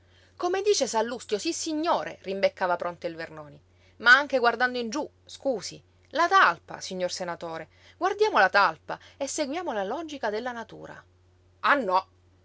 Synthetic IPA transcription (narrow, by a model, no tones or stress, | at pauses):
komed̪iːt͡ʃesalːust̪josisːiɲːoːɾʔḛrimbekːaːvapɾont̪eilvernoːni | maaŋk̟eɡward̪and̪oind͡ʒu | skuːsi | lat̪alpa̰siɲːorsenat̪oːɾe | ɡward̪jaːmolat̪alpa | esːeɡwjaːmolalɔːd͡ʒikad̪elːanat̪ṵːɾa̰ | anːɔ